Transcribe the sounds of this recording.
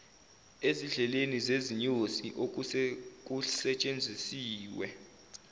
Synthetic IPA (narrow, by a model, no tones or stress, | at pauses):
eziɮɛlenizeziɲosiʔok̬ʼuk̬ʼusɛt͡ʃʼend͡zʱisiːwɛ̰